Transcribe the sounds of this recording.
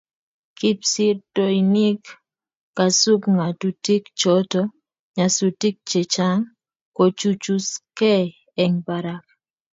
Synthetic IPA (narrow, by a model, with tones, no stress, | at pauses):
ki˦psi˦rtoini˦kː | a˨su˦kŋa˨tu˨ti˦kt͡ʃɔtɔ˦ | ɲa˨su˨ti˦k̚t͡ʃe˨t͡ʃa˦ŋ | ko˨t͡ʃut͡ʃu˦skɛ˦ | ɛ˨ŋba˨ɾa˦k̚